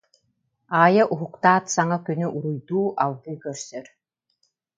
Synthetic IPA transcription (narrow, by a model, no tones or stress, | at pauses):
aːjɐʔuɦukt̪aːt̪saŋakynyʔuɾujd̪uːʔalˠɡɯkœɾsœɾ